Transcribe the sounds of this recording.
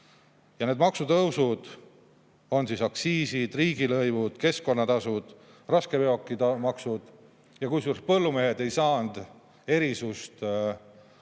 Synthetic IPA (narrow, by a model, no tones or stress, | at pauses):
jɑne̞d̪mɑksut̪ɤwsud̪̥ | o̞nsisɑksiːsid̪̥riːɡ̥ilɤjvud̪̥ke̞sko̞nːɑt̪ɑsud̪̥ | rɑskepeo̞kːˑit̪ɑmɑksud̪̥ | jɑkujsurs̚pɤlːume̞ɦed̪e̞jsɑːnd̪ | e̞ɾisust̪